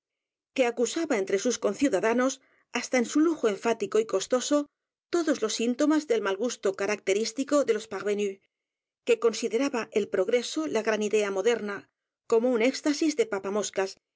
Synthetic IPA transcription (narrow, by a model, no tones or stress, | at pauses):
ke̞akusaβae̞nt̪ɾe̞susko̞nθjuðaðano̞s | ast̪aensuluxoeɱfat̪iko̞iko̞st̪o̞so̞ | t̪o̞ðo̞zlo̞sint̪o̞mazðe̞lmalɣust̪okaɾak̚t̪e̞ɾist̪iko̞ðe̞lo̞spaɣβeny | ke̞ko̞nsiðe̞ɾaβaʔe̞lpɾo̞ɣɾe̞so̞laɣɾaniðe̞amo̞ðe̞ɾna | ko̞mo̞une̞kst̪asizðe̞papamo̞skas